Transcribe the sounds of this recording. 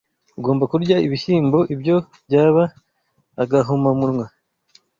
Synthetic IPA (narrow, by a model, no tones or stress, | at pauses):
uɡo̞ːmbakuɾɟaiβiçiːmbo̞ʔibɟo̞bɟaːβaː | ɡaɦomamuɾŋwa